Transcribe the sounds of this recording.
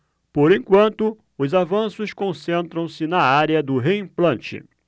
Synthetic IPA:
poɾẽŋkwɐ̃nt̪ʊ | ʊzavɐ̃sʊskõsẽnt̪ɾɐ̃w̃sɪnɐaɾjɐd̪ʊɦeĩplɐ̃nt͡ʃɪ̰

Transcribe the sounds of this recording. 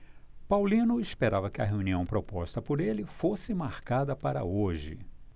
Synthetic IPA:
pawlĩnʊespeɾavɐkɪɐɦeuniɐ̃w̃pɾopɔst̪ɐpoɾelɪfosɪmaɾkad̪ɐpaɾɐ̰oʒɪ̰

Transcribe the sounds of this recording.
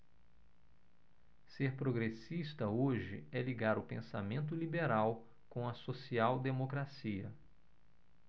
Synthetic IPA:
seɾpɾoɡɾesist̪ɐoʒɪɛliɡaɾʊpẽsa̰mẽnt̪̬ʊlibeɾaw | kõw̃ɐsosiawd̪emokɾasiɐ

